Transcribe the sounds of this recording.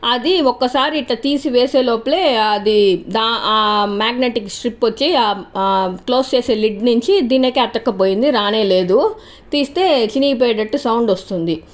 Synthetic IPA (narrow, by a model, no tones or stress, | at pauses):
ɐd̪iɔkːɐsaːɾiːʈlɐt̪iːsiʋeːseːloːple̞ːɐd̪id̪aːaːmaːɡneʈiksʈɾipːʋɐt͡ʃːi | klo̞ːst͡ʃeːse̞ːliɖnuɲt͡ʃid̪iːnɐkɛt̪ːɐkːɐpoːjind̪iɾaːne̞ːle̞ːd̪u | t̪iːst̪e̞ːt͡ʃiniːp̬eːjɐʈɐʈːusɐwɳɖost̪und̪i